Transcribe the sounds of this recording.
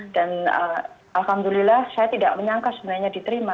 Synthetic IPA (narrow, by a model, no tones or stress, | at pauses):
d̥anə̰ | alhamdulilahsajat̪idaʔməɲaŋkasəbənarɲadit̪əɾima